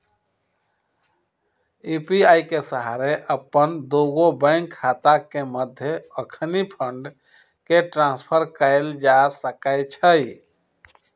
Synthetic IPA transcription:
ipiaikesəɦaɾeʔəpənd̪oɡobəɪŋkʰːat̪akeməd̪ʱjeəkʰnipʰəɳɖ | keʈɾãnspʰəɾkəeld͡ʒasəkəɪt͡ʃʰəi

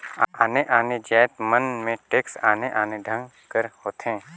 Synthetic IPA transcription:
aaːneʔaːned͡ʒɛːt̪mənmẽʈeːksaːneʔaːned̪ʱə̃ŋɡ | kəɾhoːt̪ɦẽː

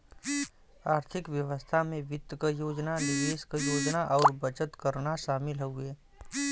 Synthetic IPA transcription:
aːɾt̪ʰɪkʋjəʋəst̪ʰamẽʋɪt̪ːkəjoːd͡ʒnalɪdeːskəjoːd͡ʒnaʔɔːɾbət͡ʃət̪kəɾnaʃaːmɪlɦoʊeː

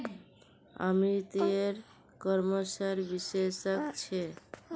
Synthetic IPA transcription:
a̰mit̪ieɾ | kɔɾməsaɾbisesəkt͡ʃʰe

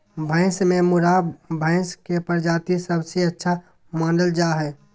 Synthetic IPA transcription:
bʱə̃ɪ̃smẽmʊɾabʱə̃ɪ̃skepəɾd͡ʒaːt̪isəbseətːʃʰa | mãːnɖəld͡ʒaːɦɛː

